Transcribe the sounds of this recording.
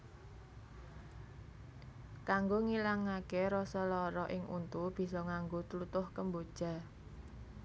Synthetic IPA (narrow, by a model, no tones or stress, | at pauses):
kaŋɡoŋilaŋːakeɾɔsɔlɔɾɔʔɪŋʔṵnt̪ub̥i̤sɔŋaŋɡot̪əlut̪ʊhkəmbod̥ʒ̥a̤